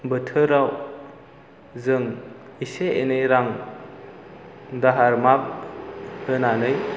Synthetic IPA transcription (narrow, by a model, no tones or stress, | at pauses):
bɯtʰɯɾaw | zɯŋ | iseenɯjɾaŋ | daɦaɾmak̚hɯnanɯj